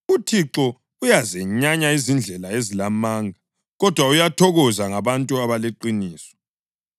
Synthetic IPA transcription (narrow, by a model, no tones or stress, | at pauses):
utʰiǁɔ | ujazɛɲaɲaizind͡ɮʱɛlaezilamaːŋʱa | ɣɔd̥ʱwaujatʰɔɣɔzaŋaβantʼuaβaleǃiniːsɔ̥